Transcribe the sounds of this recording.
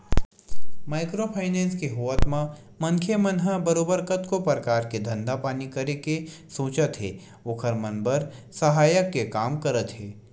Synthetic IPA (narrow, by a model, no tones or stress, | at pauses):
maːɪkɾopʰaːɪnɛ̃ːnskeɦuʋət̪mã | mɐ̃ŋkʰjemənɦəbəɾoːbəɾkət̪kopəɾəkaːɾked̪ʱɐ̃nd̪apaːnikɐɾekesoːt͡ʃət̪ɦɛ̰ː | oːkʰəɾmɐnbəɾsɐɦaːjəkːekaːmkɐɾət̪ɦɛː